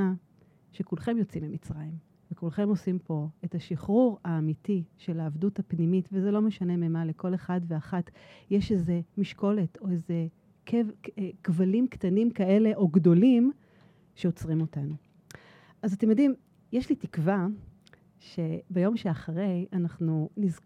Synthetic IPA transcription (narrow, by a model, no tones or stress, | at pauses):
a | ʃekulχe̞mjo̞t͡simimit͡sʁajim | vekulχe̞mo̞simpo̞etaʃiχʁuʁaːmitiʃe̞laːvduthapnimitvezelo̞meʃane̞memale̞ko̞le̞χadveaχatjeʃeze̞miʃko̞leto̞eze̞ | kʰevkvalimktanimkae̞le̞ʔo̞ɡdo̞lim | ʃeot͡sʁimo̞tanu | ʔazatemjadim | jeʃlitikva | ʃe̞bejo̞mʃeaχaʁe̞janaχnuniz